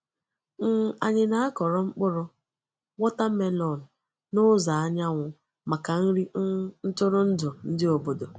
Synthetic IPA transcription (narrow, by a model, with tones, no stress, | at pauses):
ŋ̩˦˨a˨ɲɪ˨na˦a˦kɔ˨ɾɔ˦ŋ͡m̩˦k͡pʊ˦ɾʊ˦ | wɔ˦ta˦m̩˦me˦lɔ˨nʊ˨ | nʊ˦za˨a˦ɲa˦ŋʷʊ˨ | ma˨ka˨n̩˦ɾi˦n̩˦tʊ˦ɾʊ˦n̩˦dʊ˨n̩˦dɪ˦o˨bo˨do˨